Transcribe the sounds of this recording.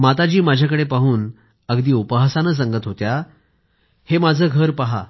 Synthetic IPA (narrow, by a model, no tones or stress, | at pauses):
mat̪ad͡ʑiːmad͡ʑʱjakəɽepaɦuːn | əɡd̪iːupəɦəsanəs̬əŋɡət̪ɦot̪ja | hemad͡zʱəːɡʱəɾpaɦa